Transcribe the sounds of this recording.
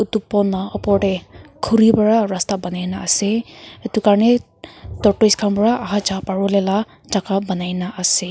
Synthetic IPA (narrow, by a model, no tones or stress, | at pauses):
ut̪upɔnɔɔpɔʈekʰuɾibɔɹaɾast̪abʌnajnaːseet̪ukaɾne | t̪ɔʈoiskʰambɹaaɦad͡ʒapaɹulela | d͡ʒakabʌnajnaʔase